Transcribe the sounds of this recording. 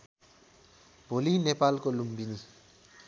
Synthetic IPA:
bʱolinepalkolumbini

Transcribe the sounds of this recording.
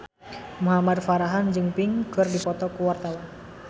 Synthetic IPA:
muɦamad̪faɾaɦand͡ʒɨŋpiŋkɨrdipɔt̪ɔkuwart̪awan

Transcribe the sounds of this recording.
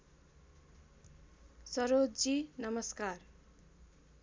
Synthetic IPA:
sʌɾod͡zinʌmʌskar

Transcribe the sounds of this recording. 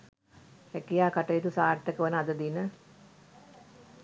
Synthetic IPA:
hækijaːkaʈəjit̪usaːʈːəkəʋənəad̪əd̪inə

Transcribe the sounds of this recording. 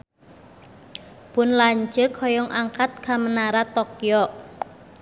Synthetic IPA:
pʊnlaɲd͡ʒəkʰhɔjɔŋʔaŋkat̪̚kʰamənaɾat̪ɔkjɔ

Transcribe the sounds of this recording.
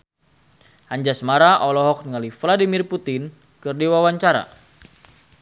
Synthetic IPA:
haɲd͡ʒasəmaɾaʔɔlɔɦɔk̚nəŋalifladimirput̪ɪn | kɨrdiwawaɲt͡ʃaɾa̰

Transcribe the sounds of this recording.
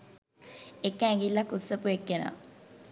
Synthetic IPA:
ekːæ̃ːŋɡilːɐkusːəpuekːena̰

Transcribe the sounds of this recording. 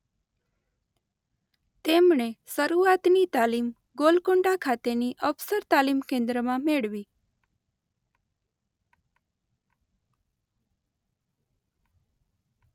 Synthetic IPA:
t̪emɳesəɾuat̪nit̪alim | ɡolkoɳɖakʰat̪eniʔəfsəɾt̪alimkẽnd̪ɾəmãmeɭʋi

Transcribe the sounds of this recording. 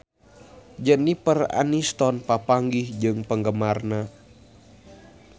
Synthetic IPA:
d͡ʒənipəra̰nist̪ɔnpapaŋɡihd͡ʒɨŋpəŋɡəmarna

